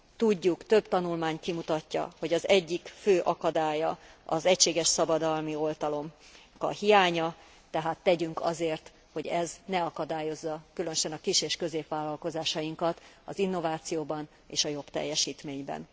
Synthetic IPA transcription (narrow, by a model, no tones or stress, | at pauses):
t̪uɟːukt̪ø̞bt̪ɒnulmaːɲkimut̪ɒcːɒ̰ho̞ɟɒzɛɟːikføːʔɒkɒd̪aːjɒɒzɛcʃeːɡɛʃsɒbɒd̪ɒlmio̞lt̪ɒlo̞m | kɒ̰hijaːɲɒ | t̪ɛɦaːt̪ːɛɟyŋkɒ̰zeːrt̪ | ho̞ɟɛznɛɒkɒd̪aːjo̞zːɒkylø̞nøʃɛnɒkiʃeːʃkø̞zeːpʋaːlːɒlko̞zaːʃɒjiŋkɒt̪ | ɒzinːo̞vaːt̪sijoːbɒn | ḛːʃɒjo̞bt̪ɛ̰jːɛʃiːt̪meːɲbɛ̰n